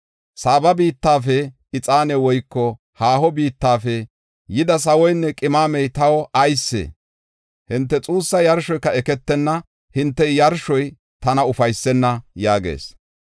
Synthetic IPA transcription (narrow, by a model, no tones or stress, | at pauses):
saːbɐbiːt̪ːaːfɛ | ɪt͡sʼaːnɛwɔjkːɔ | haːhɔbiːt̪ːaːfɛ | jɪd̪ɐs̬ɐwɔjnːɛkʼɪmaːmɛjt̪ɐwɔʔɐjsːḛ | hɪnt̪ːɛt͡sʼuːsːɐjɐɾʃɔjkːɐɛkɛt̪ːɛnːɐ | hɪnt̪ːɛjɐɾʃɔj | t̪ɐnɐʊfɐjsːɛnːɐjaːɡḛːs